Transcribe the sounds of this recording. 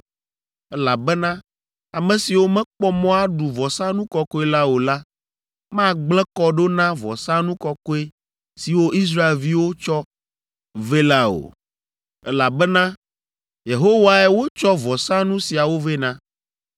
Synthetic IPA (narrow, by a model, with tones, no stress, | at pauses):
ɛ˦la˨bɛ˦nã˦ | a˨mɛ̃˨si˨wo˦mɛ̃˦k͡pɔ˦mɔ̃˦a˦ɖu˨vɔ˨sã˦nũ˦kɔ˦kɔ˦e˦la˦o˨la˦ | mã˦ɡ͡blɛ̃˦kɔ˦ɖo˦nã˦vɔ̰˨sã˦nũ˦kɔ˦kɔ˦e˦ | si˨wo˦ʔi˦s̬ɾa˦e˨lvi˦wo˦t͡ʃɔ˦ | ve˦la˦o̰˨ | ɛ˦la˨bɛ˦nã˦ | je˨ɦo˦wa˨ɛ˦wo˦t͡ʃɔ˦vɔ˨sã˦nũ˦si˨a˨wo˦ve˦nã˦